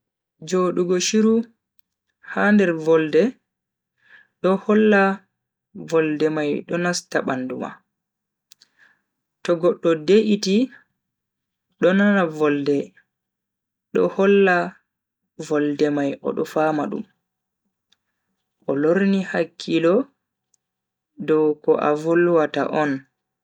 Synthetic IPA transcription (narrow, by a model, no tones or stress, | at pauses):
d͡ʒoːɗuɡɔʃiɾu | handɛɾvɔldɛ | ɗɔhɔlːa | vɔldɛmajɗɔnastaɓanduma̰ | tɔɡɔɗːɔdeʔiti | ɗɔnanavɔldɛ | ɗɔhɔlːa | vɔldɛmajʔɔ̰ɗɔfaːmaɗṵm | ʔɔloɾnihakʰːilɔ | dɔwkɔʔa̰volwata̰ʔɔn